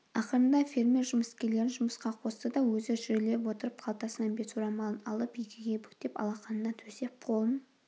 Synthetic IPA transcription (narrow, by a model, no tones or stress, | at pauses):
ɑqəɾənd̪ɑfʲe̞ɾmʲe̞rʒʊməskʲele̞ɾɪnʒʊməsqɑqʰo̞st̪əd̪ɑwɵzɪʒʏɾɪle̞pwo̞t̪əɾəp̚qʰɑlˠt̪ɑsənɑnbe̞t̪suɾɑmɑlˠənɑlˠəpjɪkʲʰɪɡʲe̞bʏkt̪e̞pɑ̰lˠɑqɑnənɑt̪ʰɵse̞p̚qʰolˠmən